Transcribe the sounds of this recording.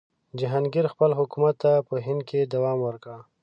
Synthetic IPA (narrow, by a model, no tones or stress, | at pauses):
d͡ʒɪɦɑnɡiɾxpəlɦʊkumat̪ːapəɦɪnd̪̚kʰed̪awɑmwəɾka